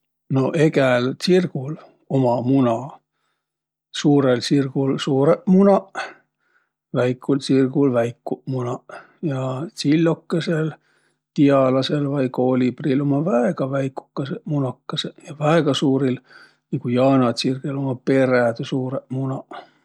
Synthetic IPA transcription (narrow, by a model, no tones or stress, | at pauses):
no̞ʔeɡælsirɡul | omɑmunɑ | suːɾelsirɡ̥ulsuːɾeʔmunɑʔ | væjkʰːulsirɡulvæjkːuʔmunɑʔ | jɑsilʲːokːesel | t̪iɑlɑselvɑjkoːlibrilo̞mɑvæeɡ̥ɑvæjku̥kːɑseʔmunɑkːɑsejɑvæeɡ̥ɑsuːɾil | nikujɑːnɑt̪sirɡ̥elo̞mɑpe̞ræd̪suːɾeʔmunɑ